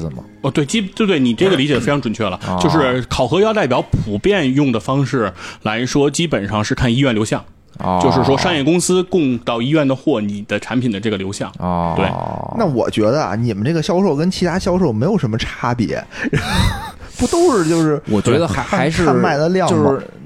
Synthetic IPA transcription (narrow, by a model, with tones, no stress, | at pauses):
m˩ə˧˩t̪we˥˩ɪt͡ɕi˥˩t̪e˥˧ɪt̪we˥˩ɪni˨˩ʈ͡ʂɤ˥˩ɡə˩li˧˥t͡ɕɛ˨˩fe˥ɪɑ˧˥ŋʈ͡ʂwə˨˩nt͡ɕʰɥɛ˥˩lə˩t͡ɕo˥˧ʊʂɻ̩˥˩kʰɑ˨˩ʊxɤ˧˥jɑ˥˧ʊt̪a˥˩ɪp̬jɑ˧˥ʊpu˧˥pjɛ˥˧njʊ˥˩ŋd̪ə˩fɑ˥ŋʂɻ̩˥˩la˧˥ɪʂwɔ˥t͡ɕi˥pə˨˩nʂɑ˥˧ŋʂɻ̩˥˧kʰa˥˩ni˥ɥɛ˥˩nljo˧˥ʊɕjɑ˥˩ŋ̰ | t͡ɕjo˥˧ʊʂɻ̩˥˩ʂwɔ˥ʂɑ˥˧ŋjɛ˥˩kʊ˥ŋsɹ̩˥kʊ˥˧ŋt̪ɑ˥˩ʊi˥ɥɛ˥˩nd̪ə˩xwɔ˥˩ni˨˩d̪̥ə˦ʈ͡ʂʰa˧˥npʰi˨˩nd̪ə˦ʈ͡ʂɤ˥˩ɡə˩ljo˧˥ɕjɑ̰˥˩ŋ̰t̪we˥˩ɪna˥˩wɔ̰˨˩t͡ɕɥɛ˧˥d̪ə˧ɐ̰˨˩ni˨˩mə˦nʈ͡ʂɤ˥˩ə˩ɕjɑ˥ʊʂo˥˩ʊkə˥nt͡ɕʰi˧˥t̪ʰa˥ɕjɑ˥ʊʂo˥˩ʊme˧˥ɪjo˨˩ʂə˧˥nmə˧ʈ͡ʂʰa˥pjɛ̰˧˥˧ | pu˧˥t̪o˥ʊʂɻ̩˥˧t͡ɕjo˥˧ʊʂɻ̩˥˩wɔ˨˩t͡ɕɥɛ˧˥d̪ə˧˥a˧˥ɪʂɻ̩˥ma˥˩ɪlə˨ljɑ˥˩o˥˧ʂɻ̩˥˩